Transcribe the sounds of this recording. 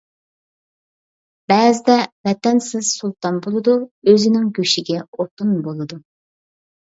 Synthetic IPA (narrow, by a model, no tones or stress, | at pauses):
b̥ɛːzɪd̪ɛvɛt̪ɛnsɪz̥sulˠt̪ɑnbolˠɨd̪uøzɪnɪŋɡʲøʃiɡʲɛoɾt̪unbolˠɨd̪u